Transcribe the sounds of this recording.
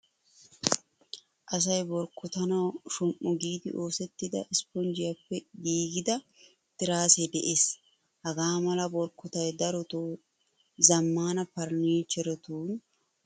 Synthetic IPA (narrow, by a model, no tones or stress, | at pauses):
ʔɐs̬ɐjbɔɾkːɔt̪ɐnɐwʃʊmʔʊɡiːd̪ɪ̰ʔo̞ːsɛt̪ːɪd̪ɐ̰ʔɪspɔnd͡ʒɪjɐpːɛɡiːɡɪd̪ɐ | t̪ɪɾaːsɛd̪ɛʔes | hɐɡaːmɐlɐbɔɾkːɔt̪ɐjd̪ɐɾɔt̪uː | zɐmːaːnɐpɐɾniːt͡ʃɛɾɔt̪uːn